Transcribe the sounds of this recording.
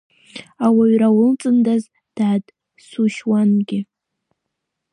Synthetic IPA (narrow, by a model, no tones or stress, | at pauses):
awaɥrawʊlt͡sʼɨndaz | d̥aːd | suʃwanɡʲɪ